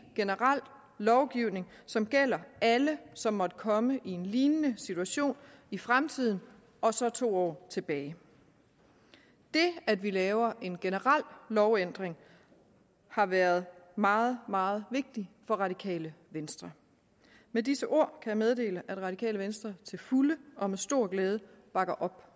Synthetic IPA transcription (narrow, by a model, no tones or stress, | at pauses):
ɡ̥e̝nəʁal̰ | lɒʊɡ̥iʊne̝ŋ | sɒ̽mɡ̥el̰ɐæləsɒ̽mːɒ̽d̥əkʰɒ̽məʔie̝nliːnənəsit͡sʰuæɕo̝̰ːnifʁamt͡sʰið̞̰ˠn̩ | ɒ̽sɒ̽t͡sʰo̝̰ːɒ̰ːt͡sʰe̝b̥ɛːɪ | d̥e̝æd̥ʋilɛːʊɐʔe̝nɡ̥e̝nəʁal̰lɒʊend̥ʁeŋ | hɑ̈ʋæːɐð̞ˠmɑ̈ːð̩ˠmɑ̈ːð̞̩ˠʋe̝ɡ̥̚d̥ifɒ̽ʁɑ̈d̥ikʰɛ̰ːləʋensd̥ʁɐ | medisəʔo̝̰ɐ̰kʰæjɑ̈með̞ˠd̥e̝̰ːləʔæd̥ʁɑ̈ɾikʰɛ̰ːləʋensd̥ʁɐt͡sʰe̝lfuləʔɒ̽mesd̥o̝ɐ̰ɡ̥lɛːð̞ˠə | b̥ɑ̈ɡ̥ɐʔɒ̽b̥